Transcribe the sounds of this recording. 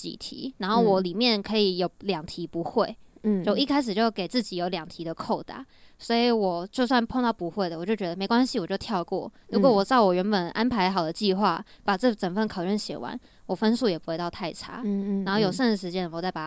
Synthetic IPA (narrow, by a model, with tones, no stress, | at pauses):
t͡ɕḭ˨˩t̪ʰḭ˧˥˦na˧˥nxo˥˩wɔ˨˩˦li˨˩mjɛ˥˩nkʰɤ˧˥i˧˩jo˨˩ʊljɑ˨˩ŋt̪ʰi˧˥pu˧˦xwe˥˩ɪt͡ɕjʊi˥˧kʰa˥ɪʂ̬ɻ̩˨˩t͡ɕjo˥˩ʊ˧ke˨˩ɪt͡sɹ̩˥˩t͡ɕi˨˩jo˧˥ʊljɑ˨˩ŋt̪ʰi˧˥d̪ə˨kʰo˥˩ʊt̪a̰˥˩swɔ˧˥i˧˦wɔ˨˩t͡ɕjo˥˧ʊs̬wa˥˩npʰo˥˧ŋt̪ɑ˥˩ʊpu˧˦xwe˥˩ɪd̪ə˩wɔ˨˩t͡ɕjo˥˩t͡ɕɥɛ˧˥d̪ə˧me˧˥ɪkwa˥nɕi˨wɔ˨˩t͡ɕjo˥˧ʊt̪ʰjɑ˥˧ʊkwɔ̰˥˩ɻu˧˥kwɔ˨˦wɔ˨˩t͡sɑ˥˩ʊwɔ˨˩ɥɛ˧˥npə˨˩nʔa˥npʰa˧˥ɪxɑ˨˩ʊd̪ə˦t͡ɕi˥˧xwa̰˥˩ | pa˨˩ʈ͡ʂɤ˥˩ʈ͡ʂə˨˩fə˥˩nkʰɑ˨˩ʊʈ͡ʂə˥˩nɕjɛ̰˨˩wa̰˧˦n | wɔ˨˩fə˥nsu˥˩jɛ˨˩pu˧˥we˥˧ɪt̪ɑ˥˧ʊt̪ʰa˥˩ɪʈ͡ʂʰa̰˥a˥nxo˥˩jo˨˩ʊʂə˥˩ŋə˩ʂɻ̩˧˥t͡ɕjɛ˥n˨˩˦t͡sa˥˩ɪpa˨˩